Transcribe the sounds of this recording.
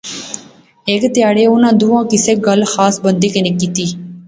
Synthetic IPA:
ekt̪ɪjaːɽeːʊnãːd̪ʊːãːkɪseːɡəlxaːsbənd̪iːkenɪkːiːt̪iː

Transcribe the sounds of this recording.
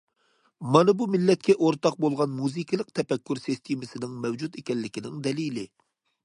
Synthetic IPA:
mɑnɨbumɪlːɛt̪̚kʲɛʔoɾt̪ɑq̚bolˠʁɑnmuzɨkʰɨlˠəq̚t̪ʰɛpɛkʲːyɾsist̪ʰimɪsɪnɪŋmɛwd͡ʒut̪ekʲɛnlːɪkʲinɪŋd̪ɛlilɪ

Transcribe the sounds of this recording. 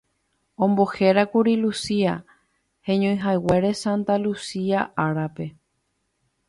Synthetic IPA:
õ̞mbo̞he̞ɾakuɾilusia | hẽ̞ɲõj̃ɦaeweɾe̞sãnt̪alusiaʔaɾape̞

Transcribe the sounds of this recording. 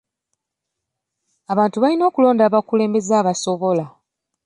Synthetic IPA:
aβaːntuβalino̞ːkulo̞ːndaːβakule̞ːmbe̞zaːβaso̞βo̞la

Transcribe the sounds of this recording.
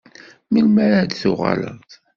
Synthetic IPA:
milmæɾad̪θʊʁa̰lə̰ʁt̪

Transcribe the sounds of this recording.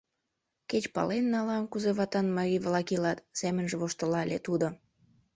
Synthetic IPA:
ket͡ɕpɑ̰lenːɑlɑnkuzeβɑt̪ɑnmɑɾʲiβlɑkilɑt̪semənʒeβoʃt̪əlɑlʲet̪ud̪o

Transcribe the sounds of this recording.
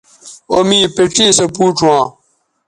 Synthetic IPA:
omipeʈ͡ʂiːsɐpuːʈ͡ʂʰwã

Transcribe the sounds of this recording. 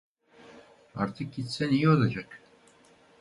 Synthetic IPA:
a̰ɾt̪ʰɯk̚ɟit̪sɛnijɛolˠad͡ʒak

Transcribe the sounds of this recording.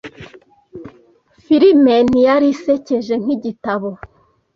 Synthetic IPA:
fiɾimenijaɾiseceʒe̞ŋ̥hiɟitaβo

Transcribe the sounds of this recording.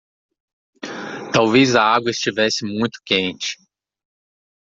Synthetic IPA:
t̪awvejzɐaɡwɐɪst͡ʃivɛsɪmũj̃t̪ʊ̥kẽnt͡ʃɪ̥

